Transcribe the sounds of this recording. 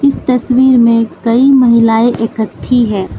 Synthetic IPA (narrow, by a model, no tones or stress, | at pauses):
ɪst̪ɐswiːɾmẽkɐimɐɦɪlaːeʔekəʈʰːiɦɛː